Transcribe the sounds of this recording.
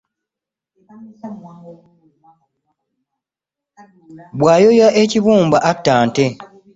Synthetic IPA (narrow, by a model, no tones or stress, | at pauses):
bwaːjojaʔeciβuːmbaʔatːaːnte